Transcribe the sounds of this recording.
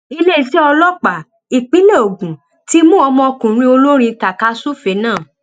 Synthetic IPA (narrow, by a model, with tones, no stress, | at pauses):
i˧le˦˨si˦ɔ˧lɔ˦k͡pa˨ | i˨k͡pĩ˨˦le˦o˨ɡũ˨ | ti˦mũ˦ɔ˧mɔ̃˧ɔ˧kũ˨ɾ̃ĩ˦o˧lo˦ɾ̃ĩ˧ta˨ka˦su˦fe˨˦nãː˦˨